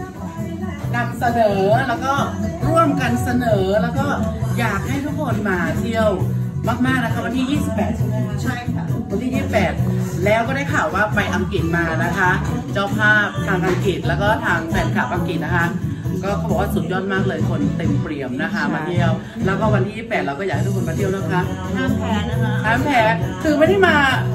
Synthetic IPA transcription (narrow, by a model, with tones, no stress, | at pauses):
ka˧nsa˧nɤː˩˦lɛː˦˥wkɔː˥˩ɾu˥˩əmka˧nsa˧nɤː˩˦lɛː˦˥wkɔː˥˩jaː˨˩k̚ha˥˩jt̪ʰu˦˥kʰo˧nmaː˧t̪ʰi˥˩əw | maː˥˩k̚maː˥˩k̚na˦˥kʰa˦˥wa˧nt̪ʰiː˥˩jiː˥˩si˨˩pːɛː˨˩t̪̚t͡ɕʰa˥˩ja˨˩wa˧nt̪ʰiː˥˩jiː˥˩si˨˩pːɛː˨˩t̪̚lɛː˦˥wkɔː˥˩daː˥˩jkʰaː˨˩waː˥˩pa˧jʔa˧mki˨˩t̪̚maː˧na˦˥kʰa˦˥t͡ɕaː˥˩wpʰaː˥˩p̚t̪ʰaː˧ŋʔa˧ŋki˨˩t̪̚lɛː˦˥wkɔː˥˩t̪ʰaː˧ŋt̪ɛː˨˩t̚kʰaː˨˩p̚ʔa˧ŋki˨˩na˦˥kʰa˦˥ʔkɔː˥˩kʰa˧˩bɔ˨˩waː˥˩su˨˩t̪̚jɔː˥˩t̪̚maː˥˩k̚lɤː˧jkʰo˧nt̪e˧mpɾi˨˩əmna˦˥kʰa˦˥maː˧t̪ʰi˦˥˩əw | lɛː˦˥wkɔː˥˩wa˧nt̪ʰiː˥˩iː˥˩pɛː˨˩t̪ɾa˧wkɔː˥˩˨kha˥˩t̪u˦˥ko˧maː˧i˥˩ə˨wnaː˥˩kʰa˦˥t̪ʰa˧˥˩tʰaː˧˥˩mpʰɛː˦˥k̪ʰɯː˧˩ma˥jda˥˩maː˧